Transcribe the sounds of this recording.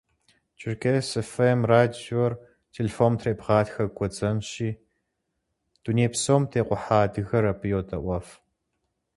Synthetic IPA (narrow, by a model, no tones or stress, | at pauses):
t͡ʃʰʼɪrkʰesefemraːdior | tʰeːlefoːmtʰreːpʁaːtxɐkʷʰʼɔd͡zɐnɕiː | d̥uneːpsoːmtʰeːqʷʼʊħaːdɨɣɐɾɐpʰɨjoːtʰʼɐʔʷɔf